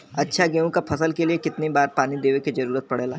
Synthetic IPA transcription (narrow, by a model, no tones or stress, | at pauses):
ɐtːʃʰaɡeːũkapʰɐsəlkeliekɪt̪nibaːɾpaːnid̪eːʋekid͡ʒɐɾuːɾət̪̚pɐɽeːlaː